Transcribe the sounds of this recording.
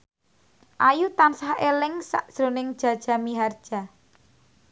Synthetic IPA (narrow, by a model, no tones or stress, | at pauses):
ʔajut̪ansahelɪŋsa̰ʔd̥ʒ̥ɾonɪŋd̥ʒ̥a̤d̥ʒ̥a̤miɦard̥ʒ̥a̤